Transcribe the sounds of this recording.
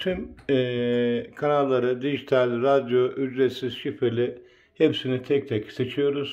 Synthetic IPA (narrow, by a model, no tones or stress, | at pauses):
t̪ʰymɛːkʰanalˠːaɾɯd̪iʒit̪ʰalʲɾad̪jo̞ʔyd͡ʒɾet̪siz̥ʃifelʲi | hepsinit̪ʰɛc̚t̪ʰɛcʰi̥set͡ʃʰijo̞ɾuz̥